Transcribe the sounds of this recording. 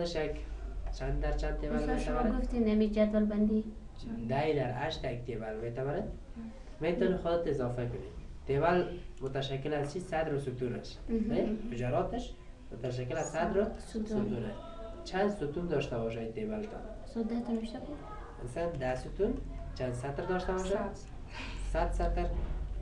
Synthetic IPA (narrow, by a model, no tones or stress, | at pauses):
xd̪ɪʃjakt͡ʃʰad̪aɾt͡ʃʰand̪̚t̪eβalmet̪aβaɾɡʊft̪inamid͡ʒat̪walband̪i | d̪ajd̪aɾa̰ʃt̪jak̚t̪eβalmet̪aβaɾat̪ | met̪ɔnixʊd̪ɪt̪ɪzɔfakʊnit̪eβalmʊt̪aʃakːɪlazt͡ʃʰisad̪ɾosut̪uɾa̰ʃ | fʊd͡ʒaɾɔːt̪ɪʃ | mʊt̪aʃ̬akːɪlazsad̪ɾost̪sʊt̪uɾa | t͡ʃʰand̪sut̪und̪ɔʃt̪abɔʃ̬ajt̪ebalt̪ʰɔ̰n | sɔd̪at̪unʃt̪ak | ma̰saad̪asut̪unt͡ʃʰand̪sat̪ɾd̪ɔʃt̪abɔʃa | sat̪sat̪ɪɾ